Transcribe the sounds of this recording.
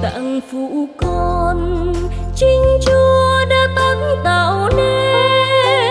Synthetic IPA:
t̪a̰˧˨ŋfu˧˨kɔ˧n | t͡ɕi˧ŋ̟t͡ɕu˧əəɗaː˧˥t̪a˧˦nt̪ə˨˩˨wne˧

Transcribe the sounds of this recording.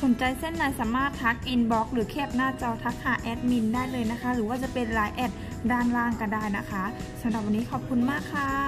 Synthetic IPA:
so˨˩˦nt͡ɕa˧jse˥˩nːaː˨˩jsaː˩˦maː˥˩t̪ʰːa˦˥k̚ʔi˧nbɔː˦˥k̚ɾɯː˩˦kʰeː˥˩p̚naː˥˩t͡ɕɔː˧t̪ʰa˦˥k̚haː˨˩˦ʔɛː˦˥t̪̚mi˧ndaː˥˩jlɤː˧jna˦˥kʰa˦˥ɾɯː˩˦waː˥˩t͡ɕa˧˦pe˧nlaː˨˦jʔɛː˧˩t̚ | daː˧˥˩nlaː˧˩ŋka˧˩ndaː˥˩jna˦˥kʰa˦˥sa˨˧˦mɾa˨˩p̚wa˧nːiː˦˥kʰɔː˨˩p̚kʰu˧nmaː˥˩kʰːa˧˥

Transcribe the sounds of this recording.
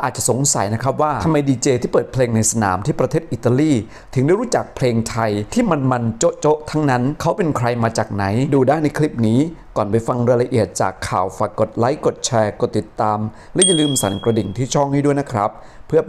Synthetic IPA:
ʔaː˨˩t̪̚t͡ɕa˨˩so˨˩˦ŋsa˩˦jna˦˥kʰɾa˦˥p̚waː˥˩t̪ʰa˧mːa˧jdiː˧t͡ɕeː˧t̪ʰiː˥˩pɤː˨˩t̪̚pʰleː˧ŋna˧jsa˧na̰ː˩˦mt̪ʰiː˥˩pɾa˧t̪ʰeː˥˩t̪̚ʔi˨˩t̪a˧liː˥˩ | t̪ʰɯ˩˦ŋda˥˩jɾu˦˥t͡ɕa˨˩k̚pʰleː˧ŋt̪ʰa˧jt̪ʰiː˥˩ma˧nma˧nt͡ɕo˦˥ʔt͡ɕo˦˥ʔt̪ʰa˦˥ŋna˦˥nkʰa˦˥wpe˧nkʰɾa˧jmaː˧t͡ɕaː˨˩k̚na˩˦jduː˧daː˥˩jnːa˧jkʰli˦˥p̚niː˦˥kɔː˨˩npa˧jfa˧ŋɾa˧la˧ʔi˨˩ət̪̚t͡ɕa̰ː˨˩kʰːaː˨˩wfaː˨˩jkkːo˨˩t̪̚la˦˥jko˨˩t̪̚t͡ɕʰɛː˧ko˨˩t̪ːi˨˩t̪ːaː˧m | lɛ˦˥ja˧lɯː˧msa˨˩˦nkɾa˧di˨˩ŋt̪ʰiː˥˩t͡ɕʰɔ˥˩ŋhaː˥˩du˥˩əjna˦˥kʰɾa̰˦˥p̚ʰː | ɯ˥˩ɐ

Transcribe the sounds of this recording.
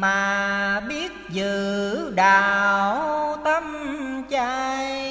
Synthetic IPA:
maː˨˩ɓi˦˥ət̚zɨ˧˨ɗaː˧˨˩wt̪ə˧mt͡ɕaː˧j

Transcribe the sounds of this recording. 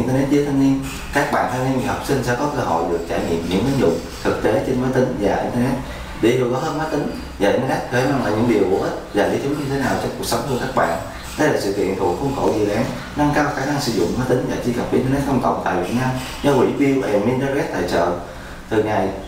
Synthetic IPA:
nt̪ə˧nɛ˦˥t̚zə˨˦t̪ʰa˧ni˧ən | kaː˦˥k̚ɓa̰ː˧˨nt̪ʰaː˧mi˧ɲ˨˩hɔ˨˩k͡p̚sï˧ŋ̟sɛ̰˧˥kɔ˨˦kəː˧ɦo̰˧˨jɗɨ˨˩ək̚t͡ɕaː˧˩jɲḭ˧˨əmɲɨ̰˧˥ŋʔnzʊ̰˧˨ŋ͡m | t̪ʰɨ˨˩k̚t̪e˨˦t͡ɕe˧nmaː˨˦t̪ï˨˦ŋ̟vaː˨˩ʔḭ˧nt̪ə˧nɛ˦˥t̚ | ɗi˧˩lu˨˩kɔ˨˦həː˧nmaː˨˦jt̪ï˨˦ŋ̟ | vaː˨˩ʔi˧nt̪ə˧nɛ˦˥t̚kəː˧˦maː˧ŋla̰ː˧˨˩ɲɨ̰˧˥ŋɗi˨˩əwku˧˩əhə˦˥t̚zaː˨˩ɗḭ˧˩˦t̪ʰi˨˦ɲɨ˧t̪ʰe˨˦naː˨˩wt͡ɕɔ˧ŋ͡mku˨˩ək̚sə˨˦wŋ͡mt̪u˧kaː˦˥k̚ɓa̰ː˧˨n | ɗə˨˦laː˨˩sɨ̰˧˨kḭ˧˨ənt̪ʰṵ˨˩xu˧wŋ͡mko̰˧˩zi˨˩ɗaː˨˦ŋ | na˧ŋkaː˧wxaː˧˩na˧ŋsɨ̰˧˥zʊ̰˧˨ŋ͡mmaː˨˦jt̪ï˨˦ŋ̟vaː˨˩t͡ɕi˧kə˨˩p̚ʔḭ˧nt̪ə˧nɛ˦˥t̚kʰɔ˧wŋ͡mkə̰˨˩wŋ͡mt̪a̰ː˧˨jvi˨˩ət̚naː˧m | ɲɔ˧wḭ˧˥vi˧wʔɛ˨˩mʔi˧nt̪ə˧nɛ˦˥t̚t̪ʰaː˧˨˩jt͡ɕə̰ː˨˩ | t̪ʰɨ˨˩ŋa˨˩j

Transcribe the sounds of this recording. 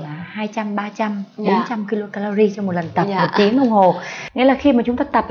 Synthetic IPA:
laː˨˩haː˧jt͡ɕa˧mɓaː˧t͡ɕa˧mɓo˨˦nt͡ɕa˧mki˧lo˧kaː˧la˧zi˧t͡ɕɔ˧ŋ͡mmo˨˩t̚lə˨˩nt̪ə˨˩pmo˨˩t̚t͡ɕi˨˦ə˦nʔə˧wŋ͡mho˨˩ŋḭ˨˧˦laː˨˩xi˧maː˨˩t͡ɕʊ˨˦ŋ͡mt̪aː˧t̪ə˨˩p̚

